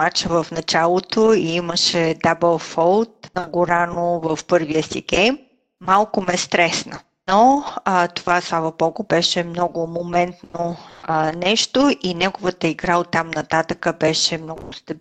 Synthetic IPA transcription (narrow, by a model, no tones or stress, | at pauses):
at͡ʃəvəfnɐt͡ʃalˠot̪oiiməʃɛd̪abəlˠfɔlˠt̪nɐɡoɾanovəfpɤɾviəsḭɡ̥ɛjmː | alˠkʊmɛst̪ɾɛsnə | nɔt̪ovaslˠavɐpɔɡʊbɛʃɛmnɔɡʊmomɛnt̪nonɛʃt̪oʔinɛɡovət̪əiɡɾaot̪ːamnɐt̪at̪əkəbɛʃɛmnɔɡʊst̪ɐb